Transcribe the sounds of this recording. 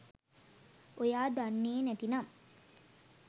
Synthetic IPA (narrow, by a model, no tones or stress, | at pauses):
ojaːd̪anːeːnɛt̪inam